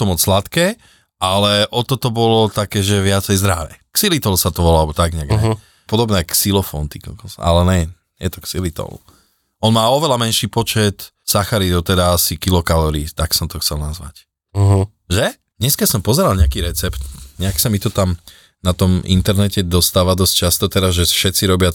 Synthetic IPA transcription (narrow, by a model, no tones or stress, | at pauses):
t̪ɔmɔt͡sslat̪kɛː | alɛʔɔt̪ɔt̪ɔbɔlɔt̪akɛːʒɛʋɪat͡sɛjzd̪ɾa̰ʋɛ̰ːksilit̪ɔlsat̪ɔʋɔlalɛbɔt̪aɡɲaɡɲɛ | pɔd̪ɔbnɛaksilɔfɔ̰nt̪ikɔ̰kɔsa̰a̰lɛnɛ | jɛt̪ɔksilit̪ɔ̰lṵ | ɔnmaːɔʋɛlamɛnʃiːpɔt͡ʃɛt̪ | saxaɾit̪ɔt̪ɛd̪aasikilɔkalɔɾiːt̪aksɔmt̪ɔxt͡sɛlnazʋa̰c | ɦ | ʒɛ | d̥̪ɲɛskasɔmpɔzɛɾalɲɛakiːɾɛt͡sɛpt̪ɲɛaksamit̪ɔt̪am | nat̪ɔmḭnt̪ɛɾnɛcɛd̪ɔst̪aːʋad̪ɔsc̚t͡ʃast̪ɔt̪ɛɾazʒɛfʃɛt͡siɾɔbɪa